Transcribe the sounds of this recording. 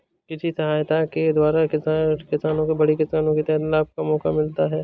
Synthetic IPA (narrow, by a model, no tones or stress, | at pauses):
kɪsisɐɦaːjt̪aked̪waːɾakɪsakɪsaːnõkebɐɽekɪsaːnõket̪ɛɦt̪laːp̚kamɔːkamɪlt̪aɦɛː